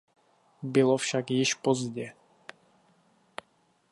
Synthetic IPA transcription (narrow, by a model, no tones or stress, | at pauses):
bɪlofʃakjɪʃpozɟɛ